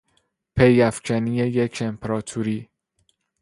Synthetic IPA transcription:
pʰe̞jæfcʰænijejecʰe̞mpʰeɾɒːt̪ʰuɾiː

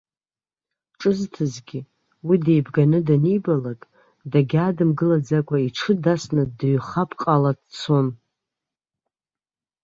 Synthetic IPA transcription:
ʈ͡ʂʼɨztʰɨzɡʲi | widejbɡanɨdanijbalakʼ | daɡʲaːdɨmɡɨlad͡zakʷʼaiʈ͡ʂʰɨdasnadɥχapʰqʼaladt͡sʰo̞n

